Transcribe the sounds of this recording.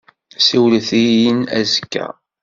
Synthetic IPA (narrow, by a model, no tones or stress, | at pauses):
siwlθijənæ̰zəkːæ̰